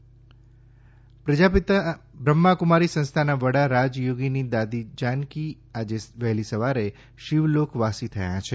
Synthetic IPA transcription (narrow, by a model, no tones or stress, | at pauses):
pɾəd͡ʒapɪt̪bɾəmːakumaɾisə̃nst̪ʰanaʋəɽaɾad͡ʒjoɡinid̪ad̪id͡ʒanki | ad͡ʒeʋɛɦlisəʋaɾe | ʃiʋlokʰʋasit̪ʰəjã̰t͡ʃʰe